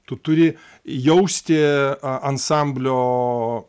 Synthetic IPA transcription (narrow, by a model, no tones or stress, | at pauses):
t̪ʊt̪ʊɾʲɪ | jɛʊsʲt̪ʲɪɐnsɑˑmʲbʲlʲoː